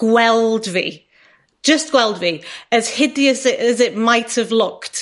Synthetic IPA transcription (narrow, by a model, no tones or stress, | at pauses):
ɡ̥wɛlˠdvḭ̥ | ʒ̥ʌstɡ̥wɛlˠdviəz̥hɪdiəsɪʔəzɪʔmajthəvlˠʊkt